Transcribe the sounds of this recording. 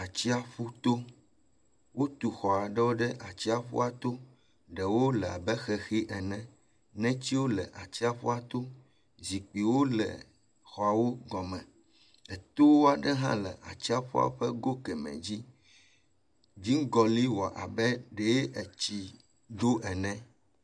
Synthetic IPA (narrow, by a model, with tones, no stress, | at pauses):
a˨t͡ɕi˦a˨ɸu˦t̪o˦ | wo˦t̪u˨xɔ˨a˨ɖɛ˦wo˦ɖɛ˦ʔa˨t͡ɕi˦a˨ɸṵ˦a˨t̪o˦ | ɖɛ˨wo˦lɛ˨a̰˨bɛ˦xɛ˨xi˦ʔɛ˨nɛ̃˨ | nɛ̃˦t͡ɕi˦wo˦lɛ˨ʔa˨t͡ɕi˦a˨ɸo̰˦a˨t̪o˦ | zi˨k͡pi˨wo˦lɛ̰˨ | xɔ˨a˨wo˦ɡɔ˨mɛ̃˨ | ɛ˨t̪o˦wo˦a˨ɖɛ˦ɦã̰˦lɛ̰˨ʔa̰˨t͡ɕi˦a˨ɸo̰˦a̰˦ɸɛ˦ɡo˦kɛ˨mɛ̰̃˨d͡ʑi˦ | vi˦ŋ˦ɡɔ˨li˦wɔ˨ʔa̰˨bɛ˦ɖe˨je˦ʔɛ˨t͡ɕi˨ | d̪o˦ʔɛ˨nɛ̃˦